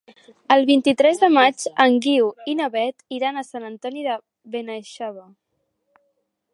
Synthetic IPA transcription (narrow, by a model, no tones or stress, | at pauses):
əlˠβint̪it̪ɾɛzðəmad͡ʒəŋɡiwinaβɛt̪iɾanəsanənt̪ɔniðə | βenəeʃaβə